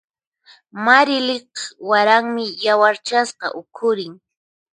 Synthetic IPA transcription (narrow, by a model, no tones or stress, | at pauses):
maɾɪlɪqwaɾaŋmɪjawaɾt͡ʃasqɑ̰ʔʊkʰʊɾɪŋ